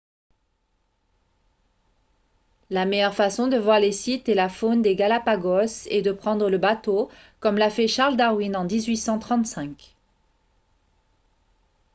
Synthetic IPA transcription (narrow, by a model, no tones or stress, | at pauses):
lamejœʁfasɔ̃d̪əvwaʁlesit̪ɛlafond̪eɡalapaɡɔsed̪əpχɑ̃d̪ʁələbat̪o | kɔmlafɛʃaʁld̪aʁwinɑ̃d̪izɥisɑ̃t̪χɑ̃t̪sɛ̃k